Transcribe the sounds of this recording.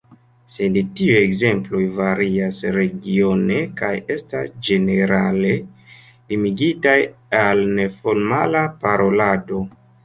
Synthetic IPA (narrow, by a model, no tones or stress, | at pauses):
se̞dtiujekze̞mplo̞jvaɾiasɾe̞ɡio̞ne̞kaje̞stasd͡ʒe̞ne̞ɾale̞ | limiɡitajalne̞fo̞lmalapaɾo̞lado̞